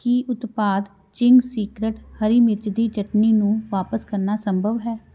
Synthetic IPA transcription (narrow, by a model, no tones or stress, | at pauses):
kiːʔʊt̪paːd̪ | t͡ʃɪŋɡsiːkɾeʈhəɾiːmɪɾt͡ʃd̪iːt͡ʃəʈniːnũːʋaːpəskəɾnaːsəmbʱəʋɦɛː